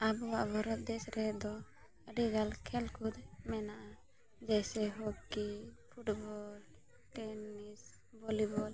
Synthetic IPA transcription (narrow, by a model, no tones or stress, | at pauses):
abɔwaʔbʱɔɾɔt̪̚d̪ɛsɾɛd̪ɔ | ɾiɡalkʰɛlkud̪mɛnaʔa | d͡ʒɛjsɛɦokipʰuʈbɔl | ʈɛnis | bɔlibɔl